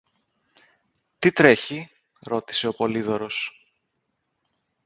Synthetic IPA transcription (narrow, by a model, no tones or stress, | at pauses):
t̪it̪ɾe̞çi | ɾo̞t̪i̥se̞o̞po̞liðo̞ɾo̞s